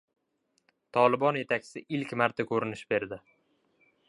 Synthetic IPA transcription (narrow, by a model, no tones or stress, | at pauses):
t̪ʰɒlˠɪbɒnje̞t̪ʰakʲʰsɪʔɪlkʲmaɾt̪ʰakʰɵɾɪnɪʃbe̞ɾd̪ɪ